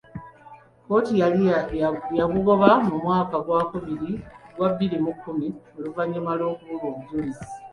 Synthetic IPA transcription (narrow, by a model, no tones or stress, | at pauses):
ko̞ːtia | jaɡuɡo̞βamumwaːkaɡwaːkuβiɾiɡwaβːiɾimukːumio̞luvaɲːumalo̞ːkuβuɡoβuɟoɾiz̥i̥